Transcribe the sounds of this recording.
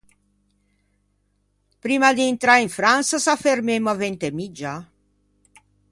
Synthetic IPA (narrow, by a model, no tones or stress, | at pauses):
pɾiːmad̪iːnt̪ɾaɾiɱfɾansasafermemːavent̪emid͡ʒːa